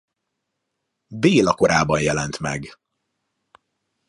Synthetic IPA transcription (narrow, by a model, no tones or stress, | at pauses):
d̪eːlɒko̞ɾaːbɒnjɛlɛnt̪mɛ̰ɡ